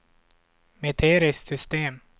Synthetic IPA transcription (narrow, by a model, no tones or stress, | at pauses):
met̪ʰeːɾɪssʏst̪eːm